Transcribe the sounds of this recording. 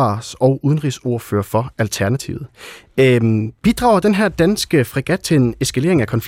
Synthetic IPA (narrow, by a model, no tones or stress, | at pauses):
ɑ̰̈sɒʊʔuð̞ˠənʁiso̝ɐfø̰ːɐfɒ̽ælt͡sʰæɐnæt͡sʰḭʊð̩ˠ | b̥id̥ʁɑ̈ːʊɐd̥enɦæɐ̰d̥ænsɡ̥əfʁiɡ̥æd̥̚t͡sʰe̝ene̝sɡ̥æle̝̰ɐeŋækʰɒ̽nf